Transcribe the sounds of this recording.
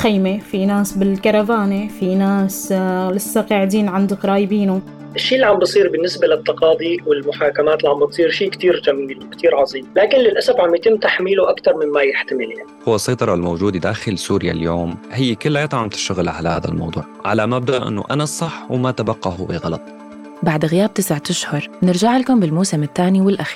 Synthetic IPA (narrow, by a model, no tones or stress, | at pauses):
xajmefinaːsbɪlkɑɾˤɑbaːnefinaːslɪsːɑqɑːʕɪd̪iːnʕand̪ʊkɾˤɑːjbiːnu | ʔɪʃːiːlːiʕambɪsˤiːɾbɪnːɪsbalɪt̪ːɑqɑːd̪ˤiwɪlmʊħaːkamaːt̪lʕambɪt̪sˤiːɾʃiːkt̪iːɾd͡ʒamiːlwɪkt̪ʰiːɾʕɑzˤiːmlaːkɪnlɪlʔasabʕamjat̪ɪmːt̪aħmiːluʔakt̪ɑɾˤmɪmːajɪħt̪amɪljaniqʊwːasˤɑjt̪ˤɑɾˤɑlmowd͡ʒuːd̪id̪aːxɪlsuːɾja̰ljoːmhɪjːkʊlːajat̪ˤʕamt̪ɪ̥ʃt̪aɣlaʕalahaːd̪a̰lmɑ̰wd̪ˤṵːʕʕa̰lamab̚d̪aʔʔɪ̰nːʊ̰ʔa̰nasˤːɑħwmat̪abɑqːɑhʊbḭɣɑlɑt̪ˤ | baʕd̪ɣɪjaːb̚t̪ɪsʕat̪aʃhʊɾˤnɪɾd͡ʒaʕɪlkʊmbɪlmuːsɪmɪt̪ːaːniwɪlʔaxiːɾ